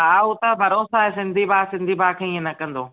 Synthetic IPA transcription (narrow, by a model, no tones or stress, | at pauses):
ɦaːʊt̪ɐbʱɐɾoːsaːɦesɪ̃nd̪ʱibaːsɪ̃nd̪ʱibaːkʰeĩə̃nɐkɐ̃nd̪oː